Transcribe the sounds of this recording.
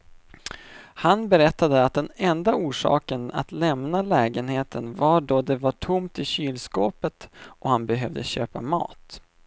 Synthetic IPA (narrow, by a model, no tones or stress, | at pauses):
hanbɛɾɛt̪ːad̪əat̪̚d̪ɛnɛnd̪auːʂɑ̰ːkəna̰t̪lɛmnalɛːɡənheːt̪ʰənvaɖɔd̪ɛvaʈʰʊmt̪ɪɕyːlskoːpət̪ɔhanbɛɦœvd̪əɕøːpamɑ̰ːt̪